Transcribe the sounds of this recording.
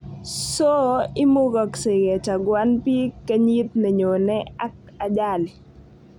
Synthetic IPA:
so˦ɪ˦mʊ˦ɡɔ˨ksɪ˨ɡɛ˨t͡ʃa˨ɡwa˦npi˦ka˦ɲi˦t̪̚ne˨ɲo˨nɛ˦a˦k̚ | a˨d͡ʒa˦˨l

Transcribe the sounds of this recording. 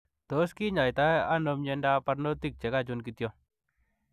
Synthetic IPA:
to˨˦ski˦ɲa˨jta˦a˦no˧mɲɛ˦˧nda˦pa˦ɾno˦t̪i˦˨k̚t͡ʃɛ˨ka˦t͡ʃu˦nki˧t̪jɔ˦

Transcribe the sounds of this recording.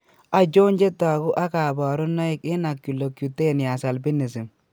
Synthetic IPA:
a˨d͡ʒo˦nd͡ʒe˦ta˨ɣu˦ʔa˦ka˨bɔ˨ɾʊ˦nːɔ˦ɪ˦kɪ˦na˨kju˨lo˨kju˨te˦˨nja˨sa˨lbi˦ne˨si˨m

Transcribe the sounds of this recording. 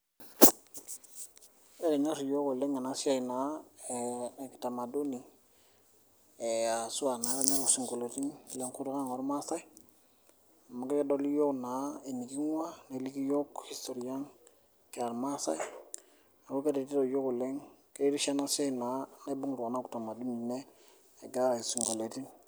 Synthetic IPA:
e˦ɾe˨ɲa˦ɾjo˦ku˨le˦ŋa˨na˦si˦a˦jna˨˦˨ | ki˨ta˨ma˨do˦ni˨ | e˨a˨su˦a˨na˨˦˨ɲa˦ɾu˨si˨ŋko˨lo˨ti˦ŋ˨le˨ŋku˦ɾu˦ka˦ŋo˨ɾma˦sa˦i˦ | a˨ma˨˦ɡe˦ke˦do˦li˦jo˦kna˨˦e˨ni˨ki˦ŋ˦wa˦ne˨li˦ki˦jo˦khi˨sto˨ɾi˨a˦ŋ | ke˨a˨ɾma˦sa̰˦j | a˨ku˦ke˦ɾe˨ti˦ɾo˨jo˦ku˨le˦ŋke˦e˦ɾi˦ʃa˦na˦sa˦˨na˨˦ne˦bu˦ŋlu˨ka˨na˦ku˨ta˨ma˨du˦ni˨neː˦˨ | ɡa˦wa˨e˨su˨ŋɡo˨le˨ti˦n

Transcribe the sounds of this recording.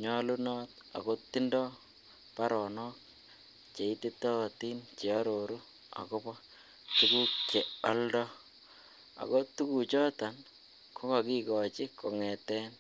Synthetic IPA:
ɲɔ˦lu˦nɔː˦t̚ | a̰˨ko˦ti˦ndɔ˦ | pa˦ɾɔ˨nɔ˦k̚ | t͡ʃe˨i˦ti˦tɔ˦˨ti˦nt͡ʃe˨a˦ɾo˨ɾu˦ | a̰˨ko˦pɔ˦ | tuku˦k̚t͡ʃe˨a˦ldɔ˦ | a̰˨ko˦tu˦ku˨t͡ʃɔ˦ta˨n | kʰo˦ka˨ki˦kɔ˨t͡ʃɪ˦kɔ˨ŋɛ˨tɛ˦n

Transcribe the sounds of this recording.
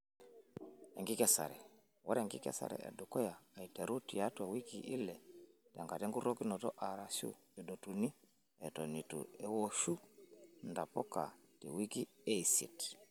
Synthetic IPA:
ɛ˨ŋɡi˦kɛ˦sa̰˨ɾɛ˨ | wʔɔ̰˦ɾɛ˨ŋɡḭ˦kɛ̰˦sa̰˨ɾɛ̰˨ʔɛ̰˨du˨kɔ˦jaː˨i˨tɛ˨ɾu˦ti˨a˦twa˨wi˦ki˨ʔi˦lɛ˨ta˨ŋɡa˨tɛ˦ŋɡu˦ɾo˦ki˦nɔ˨tɔ˦ʔa˨ɾa˨sṵ˦˨ | ɛ˨do˨tu˨ni˦ | ɛ˨tɔ˨ni˨tṵ˨ɛ˨wo˦ʃu˦nda˨pɔ˦ka̰˨tḭ˨wi˦ki˦e˦i˨sḭ˨t

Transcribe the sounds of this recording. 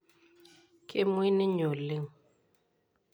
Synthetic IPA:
kʰʼe˦mwi˦nɪ˦ɲo˨lɪ˦ŋ

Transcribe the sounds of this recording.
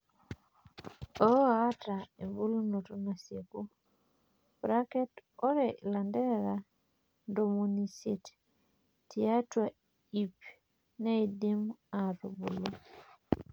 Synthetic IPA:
ɔ˦a˦ta˨e˨mbu˦lu˦no˨tɔ˦na˨sje˨ku˦ | pɾa˦kɛ˦tɔ˦ɾɛlandɛ˦ɾa | ndo˨mu˨ni˨si˨t | tia˦twa | i˨p | nɛ˦i˨di˦ma˨ɾo˨bu˨lu˦

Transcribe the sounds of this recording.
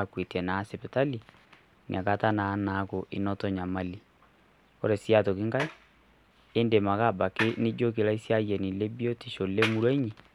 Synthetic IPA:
kwe˨tjɛ˨na˨˦sɛ˨pɛ˨ta˦li˨ | n̰˨a˨ka˦ta˦na˨˦na˨˦ko˨ʔi˨nɔ˦tɔ˦ɲa˨ma˦li˨ | ko̰˦ɾɛ˨sja˦to˨ki˦ŋɡa˦i˦ | e˦nde˨ma˨ka˦˨ba˨ke˦ne˦d͡ʒo˦ke˨la˦i˦sja˦ɣjɛ˨ni˨le˦bjɔ˦ti˨ʃo˨le˦mu˦ɾwɔ˦ɲi˨

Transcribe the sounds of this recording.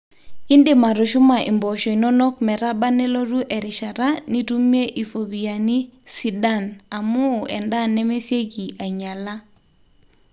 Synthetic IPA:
i˦ndɪ˨ma˨ɾʊ˨ʃʊ˦ma˨ʔɪ̰˨mbɔ˨ʃɔ˨i˨nɔ˦nɔ˦kmɛ˨ɾa˦ba˦nɛ˦lo˦ɾu˦ʔɛ˨ɾɪ˨ʃa˨ɾa˦ni˦tu˦me˦ʔi˨fo˨bi˨ja˨ni˦si˨da˦na˨mʊ˦˨ɛ˨nda˦nɛ˦me˦se˦ɡi˨ʔa˨ɲa˨la˦

